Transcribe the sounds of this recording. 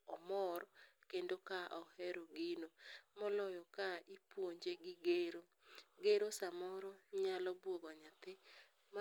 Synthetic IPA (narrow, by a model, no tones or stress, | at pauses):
ɔmɔɾkendokaʔɔhɛɾoɡinomɔlɔjɔkaipwoɲd͡ʒeɡɪɡeɾo | ɡeɾosamɔɾɔɲalɔbwoɡɔɲat̪ɪ | m